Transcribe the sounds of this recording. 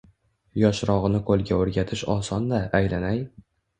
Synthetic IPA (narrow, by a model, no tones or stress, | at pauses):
jɒʃɾɒʁɨnɪkʰolˠɡʲaɵɾɡʲat̪ʰɪʃɒsɒnd̪aːjlanaj